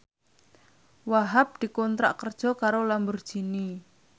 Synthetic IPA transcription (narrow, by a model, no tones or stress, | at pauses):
waɦap̚d̪̥i̤kɔnt̪ɾa̰ʔkərd̥ʒ̥ɔ̤kaɾolambərd̥ʒ̥i̤ni